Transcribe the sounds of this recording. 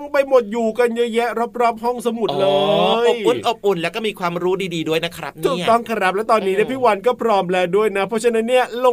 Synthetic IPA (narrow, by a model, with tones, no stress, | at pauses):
ŋpa˧jmo˨˩t̪̚juː˨˩ka˧nja˦˥jɛ˦˥ɾa˦˥p̚ɾɔː˥˩p̚ɦɔ˥˩ŋsa˧mu˨˩lɤː˧o˨pʔu˧˩nʔo˨˩p̚ʔu˨˩nlɛː˦˥wkɔː˥˩miː˧kʰwaː˧mɾuː˦˥diː˧diː˧du˥˩əjna˦˥kʰɾa̰˦˥nʰuː˨˩˨kt̪ɔ˥˩ŋkʰa˧ɾa˦˥p̚lɛ˦˥t̪ɔː˧nːiː˦˥ni˥˩ɐpʰiː˥˩wa˧nkɔː˥˩pʰɾɔː˧˥mlɛː˧du˥˩əjna˦˥pʰɔ˦˥t͡ɕʰa˧˥na˦˥nːi˥˩ɐlo˧